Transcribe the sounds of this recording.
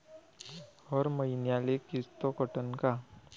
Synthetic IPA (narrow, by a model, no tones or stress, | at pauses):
hɔɾməinjalekɪst̪okəʈənka